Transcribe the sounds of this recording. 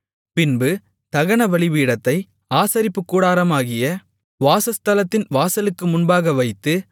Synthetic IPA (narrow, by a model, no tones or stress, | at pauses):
pɪnbɯ | t̪ɐɣɐɳɐʋɐɭɪʋiːɽɐt̪ːɐɪ | aːsɐɾɪpːɯkːuːɽaːɾɐmaːɣɪjɐ | ʋaːsɐst̪ɐlɐt̪ːɪnʋaːsɐlɯkːɯmʊnbaːɣɐʋɐɪt̪ːɯ